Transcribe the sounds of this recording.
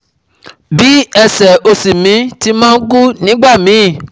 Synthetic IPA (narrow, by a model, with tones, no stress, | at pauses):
bi˨˦ɛ˧sɛ˨o˧si˨mĩ˨˦ti˦mãː˦ku˦nĩ˨˦ɡ͡ba˦˨mĩ˨˦˨